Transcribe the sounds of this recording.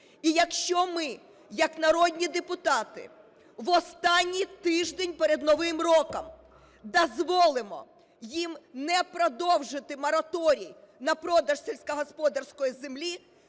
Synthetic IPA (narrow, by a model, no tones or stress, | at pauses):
ijɐkʃt͡ʃɔmɪ | jɐknɐɾɔdʲnʲid̪epʊt̪ɑt̪ɪ̰ | ʋɔst̪ɑnʲːijt̪ɪʒd̪enʲpeɾed̪nɔʋɪmrɔkɐm | d̪ɔzʋɔlˠɪmɔ̰ | jimnɛpɾɔd̪ɔwʒɪt̪ɪmɔɾɐt̪ɔɾʲij | nɐpɾɔd̪ɐʃsʲelʲsʲkɐɦɔspɔd̪ɐrsʲkɔjizemlʲi